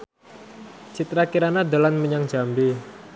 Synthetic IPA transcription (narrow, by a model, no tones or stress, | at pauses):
t͡ʃit̪ɾakiɾanad̪o̤lanməɲaŋ̥d͡ʒ̥ambi